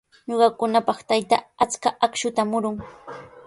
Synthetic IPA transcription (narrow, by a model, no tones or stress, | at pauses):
ɲoɢɑkʊnapɑχt̪ajt̪a̰at͡skaʔakʃʊt̪amʊɾʊŋ